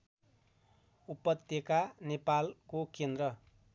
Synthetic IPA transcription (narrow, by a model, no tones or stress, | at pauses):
upʌt̪ekanepalkokend̪rʌ